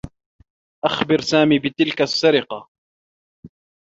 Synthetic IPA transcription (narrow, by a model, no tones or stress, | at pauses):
ʔaxbɪɾsaːmiːbɪt̪ɪlkasːaɾɪqɑ